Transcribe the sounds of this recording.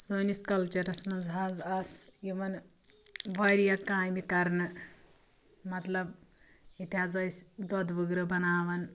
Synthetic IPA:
soːniskɐlt͡ʃɐɾɐsmɐnzɦaːzɐsjiʋɐn | ʋɐɾjɐkaːjnikɐɾnɨ | mɐt̪lɐb̚ | it̪ʰʲaːzɐjsʲd̪od̪ʋɨɡɾɨbɐnaːʋɐn

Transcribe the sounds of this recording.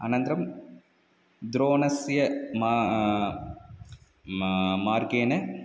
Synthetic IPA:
ɐ̰nɐnt̪ɾɐm | d̪ɾoːnɐsjɐmː | maːɾɡeːnɐ

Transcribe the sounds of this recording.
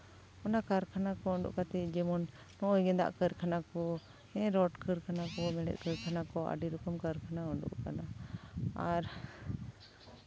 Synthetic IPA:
ɔnakaɾkʰanakɔɔɳɖṵʔkat̪ɛd͡ʒɛmɔnː | ɔʔɔjɡɛd̪a̰ʔkəɾkʰanakɔ | ɛ̃ɾɔʈkəɾkʰanakɔmɛɽɛ̰t̪̚ˀkəɾkʰanakɔʔa̰ɖiɾɔkɔmkəɾkʰanaɔɳɖṵʔkana | aɾ

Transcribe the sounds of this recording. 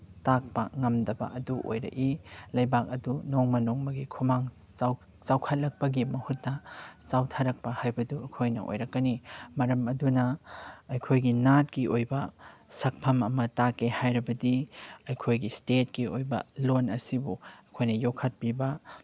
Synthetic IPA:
tak̚pɐŋɐmdɐbɐ̰ʔɐduʔo̰jɾɐ̰ʔilɐjbak̚ɐdunoŋmɐnoŋmɐɡikʰumaŋ | saw | sawkʰɐt̚lɐk̚pɐɡimɐhut̚nɐsawtʰɐɾɐk̚pɐhajbɐduɐkʰojnɐ̰ʔo̰jɾɐkːɐnimɐɾɐmɐdunɐɐjkʰojɡinat̚kiʔojbɐsɐk̚pʰɐmɐmɐtakehajɾɐbɐdiɐjkʰojɡistet̚kiojbɐ̰lonɐsibuɐkʰojnɐjokʰːɐt̚pibɐ

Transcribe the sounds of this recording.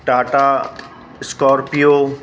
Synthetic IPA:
ʈaːʈa | skɔːɾpijo

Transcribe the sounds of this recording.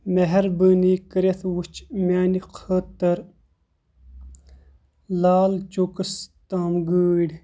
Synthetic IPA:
meɦɐɾbənikəɾet̪ʰwut͡ʃmaːniqʰəːt̪ːɐɾ | laːlt͡ʃokəst̪aːmɡəːɽ

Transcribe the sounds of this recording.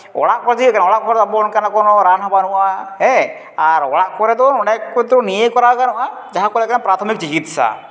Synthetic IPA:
ɔ̰ɽaʔkɔɾet̪ʰikanɔɽaʔkɔɾɛt̪ɔabɔnkanakɔnɔɾanɦɔbanuwaɦɛ | aɾɔ̰ɽaʔkɔɾɛd̪ɔɔnɛkːut̪ɾunijejkɔɾakanɔʔa | d͡ʒaɦakɔlɛkanapɾat̪ʰɔmik̚t͡ʃikit̪ʃa̰

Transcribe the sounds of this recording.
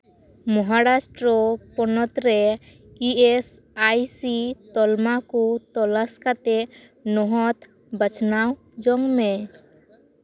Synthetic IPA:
mɔɦaɾasʈɾɔpɔnɔt̪ɾɛ | ies | ajsit̪ɔlmakut̪ɔlaskat̪e | nɔɦɔt̪ | bət͡ʃnaw | d͡ʒɔŋme

